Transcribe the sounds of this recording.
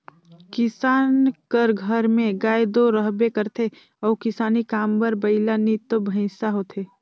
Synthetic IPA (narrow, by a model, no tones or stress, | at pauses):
kɪsaːnkəɾɡʱəɾmẽɡaːed̪oɾəɦbekəɾt̪ʰe | ɔːkɪsaːnikaːmbəɾbəɪlanit̪obʱəɪ̃saɦoːt̪ʰeː